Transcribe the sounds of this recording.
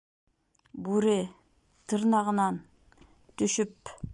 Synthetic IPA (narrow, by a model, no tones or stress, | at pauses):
buɾe | t̪ʰɨɾnɑʁənɑn | t̪ʰʏʃʏp̚